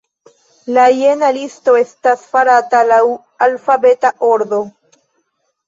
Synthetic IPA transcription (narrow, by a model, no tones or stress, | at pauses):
lajenalisto̞e̞stasfaɾatalaw | alfabe̞taʔoɾdo